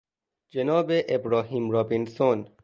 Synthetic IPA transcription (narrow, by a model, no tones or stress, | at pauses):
d͡ʒenɒːbeʔebɾɒːɦiːmɾɒːbinson